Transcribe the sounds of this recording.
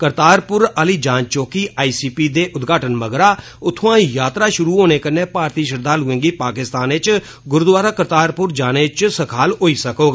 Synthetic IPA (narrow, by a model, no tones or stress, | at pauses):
kəɾt̪aːɾpʊɾəliːd͡ʒãːnt͡ʃoːkiːʔaːiːsiːpiːd̪eːʔʊd̪ɡʱaːʈənməɡɾaː | ʊt̪ʰːoːãːjaːt̪ɾaːʃʊɾuːɦoːñeːkəɾneːpaːɾt̪iːʃəɾd̪ʱaːlʊẽːŋɡiːpaːkɪst̪aːnɪt͡ʃ | ɡʊɾd̪waːɾaːkəɾt̪aːɾpʊɾd͡ʒaːneːt͡ʃsəkʰaːloːiːsəkoːɡ